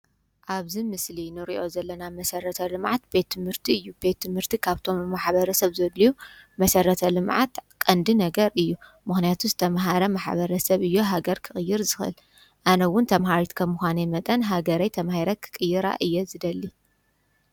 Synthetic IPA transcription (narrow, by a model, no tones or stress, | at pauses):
ʔaβzimɨslinɨɾiʔo̞zɐlːɐnamɐsɐɾɐt̪ʰɐlɨmʕat̪̚be̞t̪ʰːɨmhɨɾt̪ʰiɨjːube̞t̪ʰːɨmhɨɾt̪ʰikʰaβt̪ʰo̞mːaħβɐɾɐsɐβzɐdijumɐsɐɾɐt̪ʰɐlɨmʕa̰t̪kʼɐnd̪inɐɡɐɾʔɨjːu | mɨxnijat̪ʰuzɨt̪ʰɐmɦaɾɐmaħbɐɾɐsɐβɨjːoɦaɡɐɾkʰɨxʼɨjːɪɾzɨxɨ̰l | ʔanɐwʊnt̪ʰɐmɦaɾit̪kʰɐmːuxʷanɐmɐt̪ʼɐnɦaɡɐɾajt̪ʰɐmhiɾɐkʰɨ̥kʼɨjːɪɾa̰ʔɨjːɛzɨd̪ɐlːi